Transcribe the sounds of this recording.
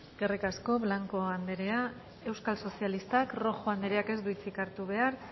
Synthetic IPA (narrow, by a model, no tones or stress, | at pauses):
ɡerekasko̞βlaŋko̞and̪e̞ɾe̞a | e̞wskalso̞sialist̪akro̞xoand̪e̞ɾeake̞zβit͡sikaɾt̪uβe̞aɾ